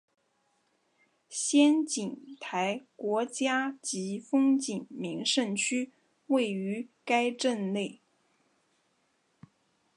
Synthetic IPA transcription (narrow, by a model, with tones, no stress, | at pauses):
ɕjɛ˥nt͡ɕi˨˩ŋt̪ʰa˧˥ɪkwɔ˧˥t͡ɕja˥t͡ɕi˧˥fɤ˥ŋt͡ɕi˨˩ŋmi˧˥ŋʂə˥˩nt͡ɕʰy˥ | we˥˩ɪy˧˥ka˥ɪʈ͡ʂə˥˧nle˥˩ɪ